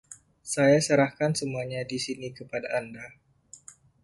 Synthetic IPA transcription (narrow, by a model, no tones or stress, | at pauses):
sajasəɾahkansəmuaɲadisinikəpadaːnda